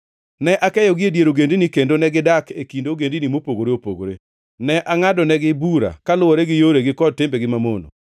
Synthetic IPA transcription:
nɛʔakɛjɔɡɪedjeɾoɡendinikendonɛɡɪdakekindoɡendinimopoɡoɾeopoɡo̰ɾe | nɛʔaŋadɔnɛɡɪbuɾa̰kalʊwɔɾɛɡɪjoɾeɡɪkɔd̚tɪmbeɡɪmamono̰

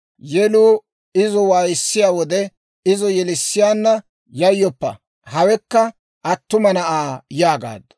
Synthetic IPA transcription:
jɛluː | ɪzɔwaːjɪsːɪjaːwɔd̪ɛ | ɪzɔjɛlɪsːɪjaːnːɐ | jɐjːɔpːɐ̰ | hɐwɛkːɐ | ʔɐt̪ːʊmɐnɐʔaːjaːɡa̰ːd̪ːɐ

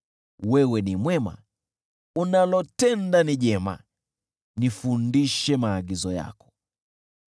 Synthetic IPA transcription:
wɛwɛnimwɛma̰ | unalɔtɛndaniʄɛma̰ | nifundiʃɛmaːɠizɔja̰kɔ̥

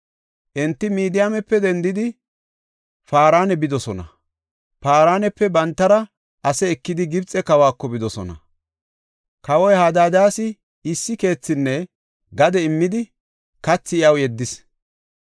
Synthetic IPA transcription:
ʔɛnt̪ːɪmiːd̪ɪjaːmɛpːɛd̪ɛnd̪ɪd̪ɪ | faːɾaːnɛbɪd̪ɔsɔnɐ̰ | faːɾaːnɛpːɛbɐnt̪ːɐɾɐ | ʔɐsɛːkːɪd̪ɪɡɪbt͡sʼɛkɐwaːkːɔbɪd̪ɔsɔ̰nɐ̰ | kɐwɔjhaːd̪aːd̪aːsɪ | ɪsːɪke̞ːt͡sːɪnːɛ | ɡɐd̪ɛɪmːɪd̪ɪ | kɐt͡sːɪɪɐwjɛd̪ːɪs

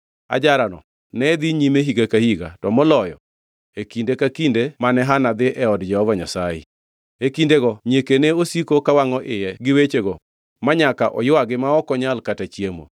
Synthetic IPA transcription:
a̰d͡ʒaɾanɔ̰ | nɛd̪iɲimeɦiɡakahiɡa̰tɔmɔlɔjɔ̰ | ekindekakindemanɛɦanad̪ɪʔɛɔdd͡ʒɛhɔvaɲasajḛ | ekindeɡɔɲekeneosikokawaŋɔʔɪjɛɡɪwet͡ʃeɡɔ | maɲaka̰ʔɔ̰jʊwaɡɪmaɔkɔɲalkatat͡ʃjemo̰

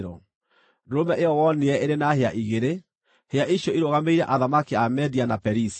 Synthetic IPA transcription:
ɾɔ̰ | ɾomɛʔeɔwɔneɛeɾenaheaʔiɣeɾe | heaʔiʃjɔiɾoɣameiɾɛʔaðamakiamɛðianapɛɾis

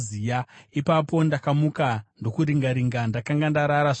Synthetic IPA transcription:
zijaipapo̞ndakamukando̞kuɾiŋɡaɾiŋɡandakaŋɡandaɾaɾaʐ

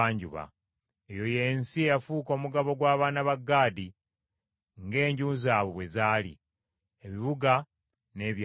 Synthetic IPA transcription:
aːɲɟṵβa̰ | ejo̞je̞nsiejafuːko̞ːmuɡaβo̞ɡwaːβaːnaβaɡːaːdi | ŋɡe̞ːɲɟuːnzaːβoβwe̞zaːlḭ | eβiβuɡa | ne̞ːβj

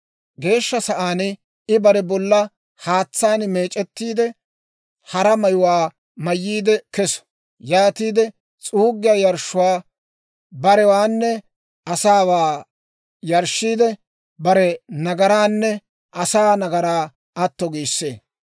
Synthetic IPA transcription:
ɡe̞ːʃːɐsɐʔaːn | ɪbɐɾɛbɔlːɐ | haːt͡sːaːnme̞ːt͡ʃʼɛt̪ːiːd̪ɛ | hɐɾɐmɐjʊwaː | mɐjːiːd̪ɛkɛsɔ̥ | jaːt̪iːd̪ɛ | t͡sʼuːɡːɪjaːjɐɾʃːʊwaː | bɐɾɛwaːnːɛ | ʔɐsaːwaː | jɐɾʃːiːd̪ɛ | bɐɾɛnɐɡɐɾaːnːɛ | ʔɐsaːnɐɡɐɾaː | ɐt̪ːɔɡiːsːḛː

